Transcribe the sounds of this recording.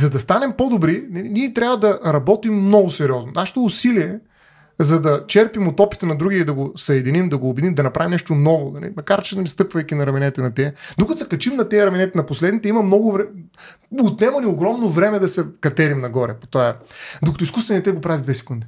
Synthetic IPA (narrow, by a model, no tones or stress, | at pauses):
zɐd̪ɐst̪anɛmpod̪obɾinɐiniɛt̪ɾʲavɐd̪ɐɾɐbɔt̪imːnɔɡʊsɛɾiɔznʊ̰naʃɛ̥t̪oːsiliɛ | zɐd̪ɐt͡ʃɛɾpimot̪ɔpi̥t̪ənɐd̪ɾuɡʲid̪ɐɡosɐɛd̪inimd̪ɐɡoːbɛd̪imd̪ɐnɐpɾavʲimnɛʃt̪onɔvod̪ɐlɛ̰mɐkaɾt͡ʃɛnɐist̪ɤpvɐjkʲinɐɾɐmɛnɛt̪ɛnɐt̪ɛd̪okɐt̪osɛkɐt͡ʃimnɐt̪ɛɐɾɐmɛnɛt̪ɛnɐposlɛd̪nit̪ɛimɐmnɔɡʊvɾɛ | ot̪nɛmɐnioɡɾɔmnovɾɛmɛd̪ɐsɛkɐt̪ɛɾimnɐɡɔɾɛpo̥t̪aɛd̪okɐt̪oiskust̪vɛnit̪ɛɡopɾazid̪vɛsɛ̥kund̪i